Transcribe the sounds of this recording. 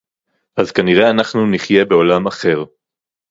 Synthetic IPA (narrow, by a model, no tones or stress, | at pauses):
ʔazkaniʁe̞anaχnuniχje̞be̞olamaχe̞ʁ